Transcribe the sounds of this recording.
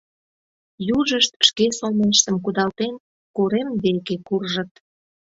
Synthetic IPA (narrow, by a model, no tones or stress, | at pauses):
juʒəʃt̪̚ʃkesolmeʃt̪əmkud̪ɑlt̪en | koɾemβekekurʒə̆t̪